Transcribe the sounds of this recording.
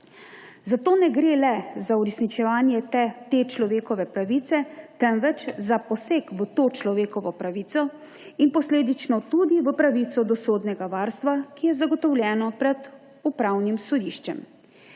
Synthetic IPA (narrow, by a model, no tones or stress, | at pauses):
zat̪oːnɛɡɾeːlɛzauɾɛsnit͡ʃɛʋaːnjɛt̪ɛt̪eːt͡ʃlɔʋeːkɔʋɛpɾaʋit̪sɛt̪ɛmʋɛt͡ʃzapɔseːkʋət̪oːt͡ʃlɔʋeːkɔʋɔpɾaʋiːt̪sɔ | inpɔsleːd̪it͡ʃnɔt̪ud̪iʋəpɾaʋit̪sɔd̪ɔsoːd̪nɛɡaʋaːɾst̪ʋakijɛzaɡɔt̪ɔwljɛːnɔpɾɛd̪ | upɾawnimsɔd̪iːʃt͡ʃɛ̰m